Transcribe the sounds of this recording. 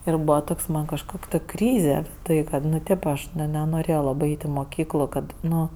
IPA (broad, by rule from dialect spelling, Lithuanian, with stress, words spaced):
ɪr ˈbuːʋɐ ˈtoːks mɐn kɐʃˈkoːkʲ ˈtoːkʲ ˈkrʲiːzʲɛ ˈtɐɪ kɐt ˈnʊ ˈtʲeːp ˈɐʃ ˈnʲɛ nʲɛnoːrʲeːjoː ˈlˠɑːbɜ ˈɐɪtʲ ɪ moːˈkʲiːklˠʊ ˈkɐt ˈnʊ